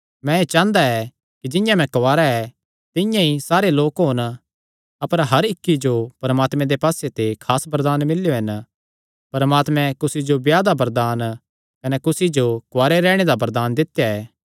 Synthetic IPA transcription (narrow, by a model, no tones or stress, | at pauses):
mɛ̃et͡ʃãːnd̪aɛ | kid͡ʒɪ̃jãmɛ̃kʋaːɾaɛ | t̪ɪ̃jãisaːɾeloːkɦoːn | ɐpəɾɦɐɾɪkːid͡ʒopɐɾɐmaːt̪mɛ̃d̪epaːset̪ekʰaːsbɐɾd̪aːnmɪljoɦɐn | pɐɾmaːt̪mɛ̃kʊsid͡ʒobjaːd̪abɐɾd̪aːn | kɐnɛkʊsid͡ʒokʊʋaːɾeɾɛːɽ̃ed̪abɐɾd̪aːnd̪ɪt̪jaɛː